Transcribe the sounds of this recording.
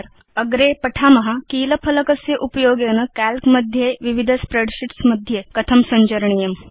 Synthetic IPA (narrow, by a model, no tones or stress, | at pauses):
ɾ | əɡɾepəʈʰamɐɦakiːləpʰələkəseʔupjoːɡenəkælkməd̪ʱjeʋiʋid̪ʱəspɾeɖɕiʈsməd̪ʱjekət̪ʰəmsəɲd͡ʑəɾɳijəm